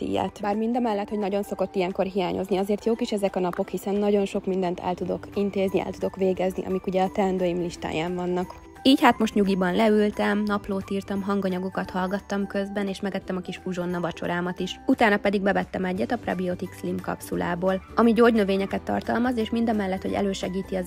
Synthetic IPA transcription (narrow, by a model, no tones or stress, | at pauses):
t̪ḭːja̰ːt̪baːrmind̪ɒmɛlːɛt̪ho̞ɟnɒɟo̞nso̞ko̞t̪ːijɛŋko̞rɦijaːɲʔo̞̰zniɒzeːrt̪joːkiʃɛzɛkɒnɒpo̞khisɛnːɒɟo̞nʃo̞kmind̪ɛnt̪ɛ̰lt̪ud̪o̞̰kint̪eːzniɛ̰lt̪ud̪o̞kʋeːɡɛznḭʔɒ̰mikuɟɛːt̪ɛɛnd̪øːjimliʃt̪a̰ːjaːɱvɒnːɒk | iːchaːt̪mo̞ʃt̪ɲuɡibɒnlɛylt̪ɛmnɒploːt̪iːrt̪ɒmɦɒŋɡɒɲɒɡokɒt̪hɒlɡɒt̪ːɒmkø̞zbɛneːʃmɛɡɛt̪ːɛmɒkiʃuʒo̞nːɒvɒt͡ʃo̞̰ɾaːmɒt̪iʃut̪aːnɒpɛd̪iɡ̚bɛvɛt̪ːɛmɛɟːɛt̪ɒprɒ̰biot̪ikslimkɒ̰psula̰ːboːlɒmiɟoːɟnøveːɲɛkɛt̪ːɒ̰rt̪ɒlmɒzeːʃmind̪ɒmɛlːɛt̪ho̞ɟɛ̰løːʃɛɡiːt̪iɒ